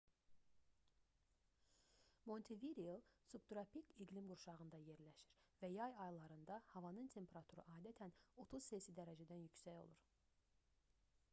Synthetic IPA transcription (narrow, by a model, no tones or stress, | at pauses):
mo̞nt̪ʰeviɾilˠsubt̪ɾɑpikiɡlimɡuɾʃɑʁɯnd̪ɑje̞ɾlæʃi̥ɾvæjɑjɑjlˠɑɾɯnd̪ɑhɑvɑnɯnt̪ʰe̞mpʰeɾɑt̪ʰuɾɯ̰ʔɑːd̪æt̪ʰæno̞t̪ʰuz̥sesid̪æɾæd͡ʒæd̪ænjycsæjo̞̰lˠṵɾ